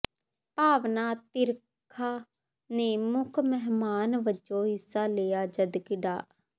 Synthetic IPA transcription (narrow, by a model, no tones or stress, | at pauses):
paːʋnaːt̪ɪɾ | kʰːaː | neːmʊkʰmɛɦmaːnʋəd͡ʒoːɦɪsːaːleːaːd͡ʒəd̪kɪɖa̰ː